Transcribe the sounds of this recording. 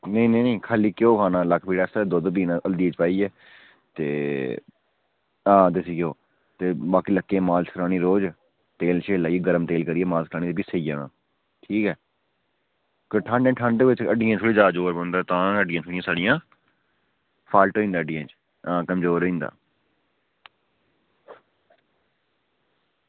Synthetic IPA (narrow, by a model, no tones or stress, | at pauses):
nəinəːnẽːkʰaːliːkjõːkʰaːnãːləkʰpiːɽaːsəd̪oːd̪biːnãʔəld̪iːeːt͡ʃpaːiːɛː | t̪ḛː | ãːd̪esiːkjoː | t̪eːbaːkiːləkːẽːmaːlskɾaːñiːɾoːd͡ʒ | t̪eːlʃeːlaːiɛɡəɾəmt̪eːlkəɾiːɛːmaːlskəɾaːñiːt̪ːbiːsəijã̰ːã̰ː | ʈʰiːkɛː | kəʈʰãːɳɖɛ̃ːʈʰə̃ːɳɖəkʋɪt͡ʃəɖiãːsʰoliːd͡ʒaːd͡ʒoːɾbõːnd̪aːt̪ãːəɖɪjãːsʰʊɽijãːsaːɽɪjãː | pʰaːlʈoːĩːnd̪aːəɖijãːt͡ʃ | ãːkəmzoːɾoĩːnd̪a̰ː